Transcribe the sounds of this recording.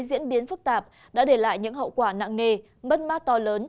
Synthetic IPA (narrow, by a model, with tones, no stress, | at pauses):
zḭ˧˥ənɓi˨˦ənfɨ˦˥k̚t̪aː˨˩p̚ | ɗa̰ː˧˥ɗe˧˩la̰ː˧˨jɲɨ̰˧˥ŋɦə̰˧˨wkwaː˧˩na̰ː˧˨ŋŋe˧ | mə˦˥t̚maː˦˥t̚t̪ɔ˧ləː˨˦n